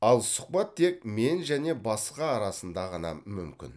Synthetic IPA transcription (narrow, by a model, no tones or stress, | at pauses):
ɑlˠsʊ̥qbɑt̪ʰːe̞k̚me̞nʒæne̞bɑsqɑːɾɑsənd̪ɑʁənɑ̰mʏmkʲɪ̰n